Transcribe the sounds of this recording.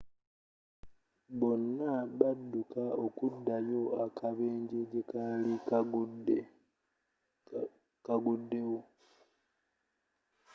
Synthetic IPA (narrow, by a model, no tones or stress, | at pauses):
βo̞nːaβadːukaokudːajo̞akʰaβeːɲɟe̞ɟekalik | kaɡudːe̞wo